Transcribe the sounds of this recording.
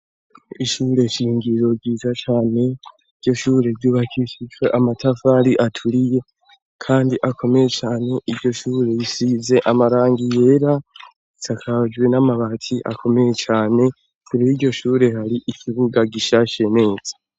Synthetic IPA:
iʃuɾe̞ʃiːŋɡiɾo̞ɡɡiːzat͡ʃaːne̞ | iɾɟo̞ʃuːɾe̞vjuːβakʰiʃid͡ʒweʔamatʰafaɾiʔatʰuɾije̞ | kʰaːndiʔakʰo̞me̞je̞t͡ʃaːne̞ʔiɾɟo̞ʃuːɾe̞jisize̞ʔamaɾaːŋɡije̞ːɾa | itʰakʰad͡ʒwe̞namaβatʰiʔa̰kʰo̞me̞je̞t͡ʃaːne̞ | kuɾihiɾɟo̞ʃuːɾe̞haɾiʔikʰiβuɡaɡiʃaʃe̞ne̞ːz̥ḁ

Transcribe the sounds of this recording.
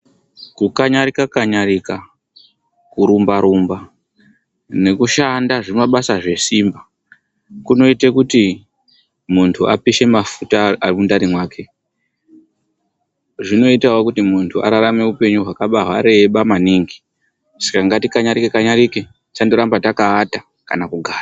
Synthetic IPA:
kukaɲaɾikakaɲaɾika | kuɾumbaɾumba | ne̞kuʃandaʐimaɓasaʐe̞simba | kuno̞itekuti | muntʰuapiʃe̞mafutaːrimundaɾimwaːke̞ | ʐino̞itawokutimuntʰua̰ɾaɾame̞upe̞ɲuɦwakaɓaɦwaɾe̞ɓamaniŋɡi | sḁkaŋɡatikaɲaɾikekaɲaɾike | t͡ʃandoɾambatakaːta | kanakuɡʱaːra

